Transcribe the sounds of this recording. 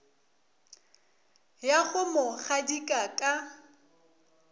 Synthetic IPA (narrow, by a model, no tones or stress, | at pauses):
jaɣʊmʊχadikʼakʼa